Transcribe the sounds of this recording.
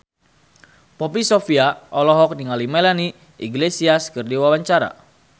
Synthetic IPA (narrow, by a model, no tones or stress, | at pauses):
pɔpisofiaʔɔlɔɦɔk̚niŋalimelani | ʔḭɡlesiaskɨrdiwawaɲt͡ʃaɾa̰